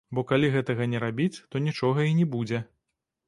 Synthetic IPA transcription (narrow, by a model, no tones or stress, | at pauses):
bɔkalʲiɣɛt̪ɐɣɐnʲɛɾabʲit͡sʲt̪ɔnʲit͡ʂɔɣɐinʲɛbud͡zʲɛ